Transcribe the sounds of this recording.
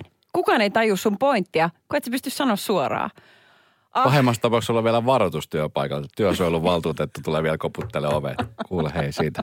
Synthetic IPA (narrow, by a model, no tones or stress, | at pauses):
kukɑːneit̪ɑjusːumpoint̪ːiɑkuet̪sepyst̪yssɑnoːssuorɑ̰ː | ɑpɑhemːˑɑkst̪ɑpɑˑuksolːɑʋʋiælæʋɑrot̪ust̪yæpɑikɑlt̪yæˑsoijolːuʋʋɑlt̪uːt̪et̪ːut̪uleʋiælkoput̪ːeleoʋḛt̪kuːlheisiːt̪æ